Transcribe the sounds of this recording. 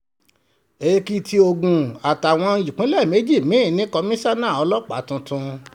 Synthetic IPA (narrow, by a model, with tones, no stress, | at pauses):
e˨˧ki˧tʰi˧o˧ɡũ˨a˨ta˨w̃ɔ̃˧ju˨k͡pĩ˦lɛ˦˨me˨˦d͡ʒi˦˨mĩ˨˦˨nĩ˦kɔ˧mĩ˦sa˦nãː˦˨ɔ˧˦lɔ˦k͡pa˨˦tũ˧tũ˧